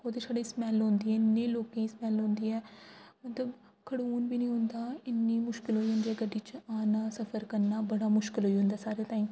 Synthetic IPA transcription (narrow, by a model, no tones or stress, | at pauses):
hoːd̪eːsaːɖeːsmɛːlɦõːnd̪iːɛːɪnːẽːloːkẽːismɛːlɦõːnd̪iːɛːmət̪ləb | kʰəɽuːnbiːnĩːɦʊ̃nd̪aːɪnːiːmʊʃkɪlɦoːiːɦʊ̃nd̪iːɛːɡəɖiːt͡ʃaːnaːsəpʰəɾkəɾnaːbəɽaːmʊʃkɪlɦoːiːɦʊ̃nd̪aːsaːɾeːt̪aːĩ